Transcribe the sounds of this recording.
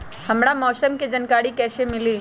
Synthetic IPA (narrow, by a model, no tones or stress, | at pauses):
hɐmɽamɔːsəmked͡ʒɐnkaːɾikɛːsemɪliː